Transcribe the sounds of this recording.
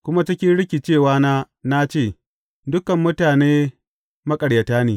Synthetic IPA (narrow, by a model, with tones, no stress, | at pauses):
kʷʊ˦ma˦t͡ʃɪ˦kʲi˦nɽɪ˦kʲi˨t͡ʃeː˦˨waː˦naː˦ | na˦t͡ʃeː˦˨ | dʊ˦kɐ˨mːʊ˦taː˨neː˦ | mɐ˦kʼɐ˨ɽjɐ˨taː˦neː˨